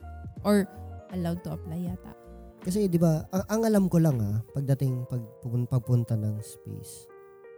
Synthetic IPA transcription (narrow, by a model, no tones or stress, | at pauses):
ʔoɹʔɐlawd̪̚t̪ʊʔɐplajat̪a̰ʔkɐs̬ɛd̪ɪbaɐʔɐŋʔɐlamkolaŋapɐɡ̚d̪ɐt̪ɪŋpɐɡ̚pʊnpɐɡ̚pʊnt̪ɐnɐŋspɛ̰js